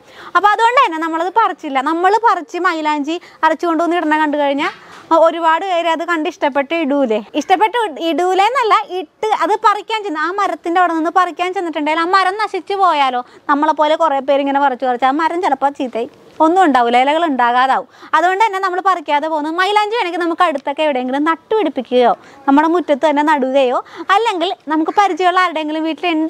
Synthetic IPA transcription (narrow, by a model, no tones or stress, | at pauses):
ɐpːo̞ɐðuɣo̞ɳɖɨɐnːenɐmːɐɭɐðɨpɐrit͡ɕːilːɐnɐmːɐɭpɐrit͡ɕːɨmɐjlaːɲd͡ʑi | ɐrit͡ɕːuko̞ɳɖuʋonːiʈɐnːɐkɐɳɖɨkɐɻiɲːaːo̞ɾubaːɽɨʋeːɾiɐðɨkɐɳɖɨiʂʈɐpːe̞ʈːɨiɽuːle̞iʂʈɐp̬ːe̞ʈːɐiɽuːle̞nːɐlːɐʔiʈːɨɐðɨpɐrikʲːaːnt͡ɕenːɨaːmɐɾɐt̪ːindeʋiɽɐninːɨpɐrikʲːaːnt͡ɕejnːiʈːuɳɖaːjːlaːmɐɾɐmnɐʂit͡ɕːɨpoːjaːlo̞ːnɐmːɐɭpo̞ːle̞kureːp̬ːe̞ːɾiŋːɐnepɐrɐt͡ɕːupɐrɐt͡ɕːamɐɾɐmt͡ɕelɐpːaːt͡ɕiːt̪ːei | o̞nːuuɳɖaːʋulejlɐɣɐɭuɳɖaːɣaːðaːʋumɐðuɣo̞ɳɖɨt̪ɐnːenɐmːɐɭpɐrikʲːaːðepoːunːumɐjlɐːɲd͡ʑuʋenekʲinɐmukːɐɽut̪ːo̞kːeʋiɽejeŋɡilumnɐʈːuʋiɽipːikʲːuɣɐjoː | nɐmːuɽemutːɐt̪ːɨt̪ɐnːenɐɽuɣɣɐjo̞ːɐlːe̞ŋɡilnɐmukːɨpɐɾit͡ɕːɐjuɭːaːliɽeeŋɡilumʋiːʈːileɳɖɨ